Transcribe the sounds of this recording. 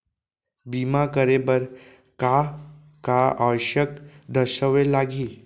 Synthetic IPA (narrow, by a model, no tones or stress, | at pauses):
biːmakəɾebəɾ | ka | kaaʋɕəkd̪ʱəʃəʋelaːɡiː